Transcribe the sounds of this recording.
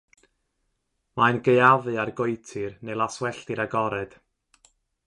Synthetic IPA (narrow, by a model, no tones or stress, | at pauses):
maɨnɡejaðɨarɡojtʰɨrnejlˠaswɛɬtɪɾaɡɔɾɛd̥